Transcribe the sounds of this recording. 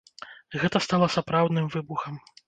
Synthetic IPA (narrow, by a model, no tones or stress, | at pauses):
ɣɛt̪ɐst̪alˠɐsapɾawd̪nɨmvɨbuxɐm